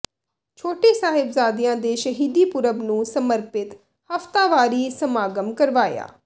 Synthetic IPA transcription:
t͡ʃʰoːʈeːsaːɦɪbzaːd̪ijãːd̪eːʃəɦiːd̪iːpʊɾəbnũːsəməɾpɪt̪ | həft̪ãːʋaːɾiːsəmaːɡəmkəɾʋaːja̰ː

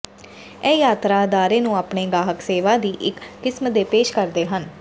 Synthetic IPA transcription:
ɛːjaːt̪ɾaːd̪aːɾeːnũːaːpɳeːɡaːɦəkseːʋaːd̪iːʔɪkːɪsməd̪eːpeːʃkəɾd̪eːɦən

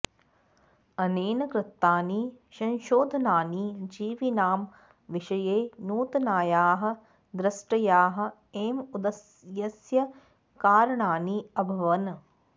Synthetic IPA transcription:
ɐneːnɐkɾɪt̪ːaːni | ʃɐnʃoːd̪ʱɐnaːniːd͡ʒiːʋinaːm | ʋiʂɐjeːnuːt̪ɐnaːjaːɦɐ̆ | d̪ɾɐsʈɐjaːɦɐ̆ | eːmud̪ɐs | jɐsjɐ | kaːɾɐɳaːniɐbʱɐʋɐn

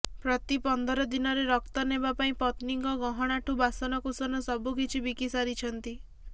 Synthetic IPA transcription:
pɾɔt̪ipɔnd̪ɔɾɔd̪inɔɾeɾɔkt̪ɔnebapaĩpɔt̪niŋkɔɡɔɦɔɽ̃aʈʰubasɔnɔkusɔnɔsɔbukit͡ʃʰibikisaɾit͡ʃʰɔnt̪i

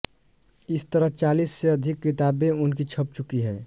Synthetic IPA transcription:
ɪst̪əɾəɦt͡ʃaːlisːeəd̪ʱɪkːɪt̪aːbẽʊnkit͡ʃʰəp̚t͡ʃʊkiɦɛː

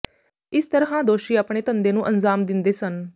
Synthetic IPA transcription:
ɪst̪əɾɦãːd̪oːʃiːapɳeːt̪ənd̪eːnũːʔənzaːmd̪ɪnd̪eːsən

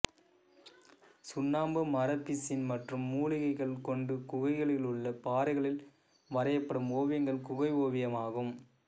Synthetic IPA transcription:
sʊnːaːmbɯmɐɾɐpːɪsɪnmɐʈrɯmːuːlɪɣɐɪɣɐɭkɔɳɖɯkʊɣɐɪɣɐɭɪlɯɭːɐpaːɾɐɪɣɐɭɪl | mɐɾɐjɐpːɐɽɯmoːʋɪjɐŋɡɐɭkʊɣɐɪʋoːʋɪjɐmaːɣɯm

